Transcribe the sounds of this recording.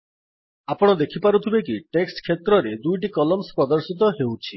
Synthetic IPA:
apɔɽ̃ɔd̪ekʰipaɾut̪ʰibekiʈeksʈkʰːet̪ɾɔɾed̪ujʈ̬ikɔlɔmspɾɔd̪ɔɾsit̪̬ɔɦewt͡ʃʰi

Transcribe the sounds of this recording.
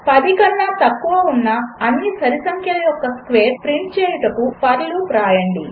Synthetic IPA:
pɐd̪ikɐnːaːt̪ɐkːuʋɐunːɐːnːisɐɾisɐŋkʰjɐlɐjɔkːɐskʋe̞ːɾpɾiɳʈ̚t͡ʃeːjuʈɐkupɐɾluːpɾaːjɐɳɖi

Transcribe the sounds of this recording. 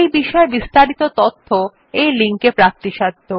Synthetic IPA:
ejbiʃɔebist̪aɾit̪ot̪ot̪ʰːo | ejliŋkepɾak̚t̪iʃad̪ʱːo

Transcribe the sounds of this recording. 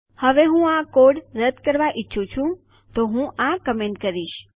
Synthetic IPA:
həʋeɦũakoɖɾəd̪kəɾʋaʔiːʃʰũt͡ʃʰũ | t̪oɦũʔakəmeɳʈkəɾiʃ

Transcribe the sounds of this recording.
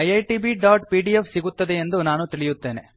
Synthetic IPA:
ɐjɐjʈiːbiɖaːʈpiːɖijefsiɡut̪ːɐd̪eend̪unaːnut̪iɭijut̪ːe̞ːne̞̰

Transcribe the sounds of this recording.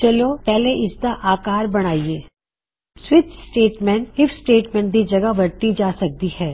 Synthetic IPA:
t͡ʃɐlopɛɦleʔɪsd̪aʔaːkaːɾbɐɽ̃aːieː | swɪt̪sʈeːʈmɛ̃ɳʈɪfsʈeːʈmɛ̃ːɳʈ̚d̪id͡ʒɐɡəʋɐɾt̪id͡ʒaːsɐk̚t̪ihɛː

